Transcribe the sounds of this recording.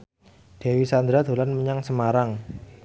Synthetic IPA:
d̪̥e̤wisand̪ɾad̪o̤lanməɲaŋsəmaɾaŋ

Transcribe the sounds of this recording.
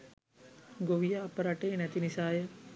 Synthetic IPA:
ɡoʋijaːpəɾaʈeːnɛt̪inisaːjə

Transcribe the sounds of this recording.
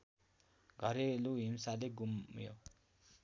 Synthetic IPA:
ɡʱʌɾeluɦimsaleɡumjo̰

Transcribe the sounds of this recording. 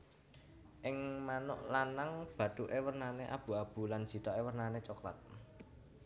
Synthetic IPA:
ʔɪŋmanʊʔlanaŋb̥ä̤ɖ̪̥uʔewərnaneʔa̰b̥ṳab̥ṳlan̥ʒ̥i̤t̪ɔʔewərnanet͡ʃokla̰t̪̚

